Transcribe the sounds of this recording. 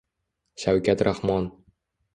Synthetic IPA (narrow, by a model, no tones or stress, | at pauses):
ʃawkʲæt̪ɾʔahmɒn